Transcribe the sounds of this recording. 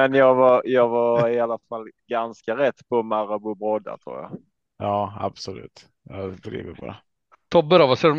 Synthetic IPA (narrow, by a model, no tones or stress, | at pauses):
ɛnjɑːɡvaɾjɑːɡvɑɪalːafalːɡanskaɾɛt̪ːpʰɔmaɾabubɾɔd̪a̰t̪ʰɾṵːɾja̰ | jɑːa̰b̥sɔlʉ̟̰ːt̪ | jɑt̪ɾḭːvɪt̪pʰɔd̪ɛ̰ | t̪ʰɔːbœɾavasɛ